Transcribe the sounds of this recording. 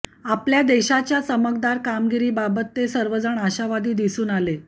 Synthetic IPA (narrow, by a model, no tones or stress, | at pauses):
apljad̪eɕat͡ɕjasəmək̚d̪aɾkamɡiɾiːbabət̪ːesəɾʋəd͡zəɳaɕaʋad̪iːd̪isuːnale